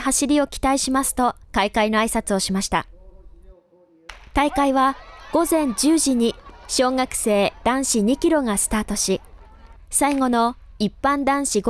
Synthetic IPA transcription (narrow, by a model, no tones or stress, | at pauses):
ɦaɕiɾʲio̞kʲi̥t̪aiɕimasɨ̥t̪o̞kaikaino̞aisat͡sɨo̞ɕimaɕi̥t̪a̰ | t̪aikaiβaɡ̥o̞zẽ̞ɲ̟d͡ʑɨːʑiɲ̟iɕo̞ːŋakɯ̟̥se̞ːd̪̥ãɰ̃ɕiɲ̟ikʲiɾo̞ŋasɨ̥t̪aːt̪o̞ɕi | saiŋo̞no̞ | ipːãnd̪ãɰ̃ɕiɡ